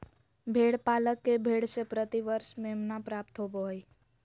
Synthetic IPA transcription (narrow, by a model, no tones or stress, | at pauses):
bʱeːɽpaːləkːebʱeːɽsepɾət̪iʋəɾʃmemnapɾaːp̚t̪ɦoboj